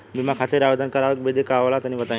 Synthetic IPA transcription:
bimakʰaːt̪eɾaʋed̪ʱənkɐɾaʋkbed̪ʱekaːʋlat̪ɐnĩbɐt̪ã

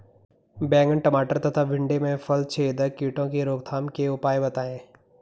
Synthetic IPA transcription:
bɛ̃ːŋɡəɳʈɐmaːʈəɾt̪ʰɐt̪ʰaʋɪ̃ɳɖemẽfɐlt͡ʃʰeːd̪əkiːʈõkeɾoːɡt̪ʰaːmkeʊpaːebɐt̪aːẽː

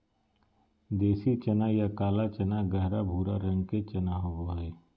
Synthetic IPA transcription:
d̪eːsit͡ʃɐnajakaːlat͡ʃɐnaɡɛɦɾabʱuːɾaɾə̃ŋɡket͡ʃɐnaɦoboe

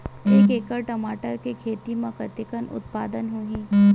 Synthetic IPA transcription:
eːkeːkəɾʈɐmaːʈəɾkekʰeːt̪imɐ̃kɐt̪ɪkənʔʊ̰t̪̚paːd̪ənɦuɦĩː

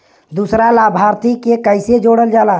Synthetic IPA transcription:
d̪usɾalaːbʱaːɾt̪ikekəɪsed͡ʒoːɽəld͡ʒaːlaː

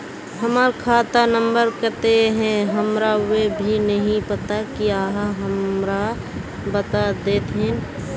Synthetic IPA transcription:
ɦəmaɾkʰaːt̪anəmbəɾkət̪eɦɛ̃ɦəmɾawebʱinəɦĩpət̪akiaːɦaɦəmɾa | bət̪ad̪eːt̪ɦɛ̃n

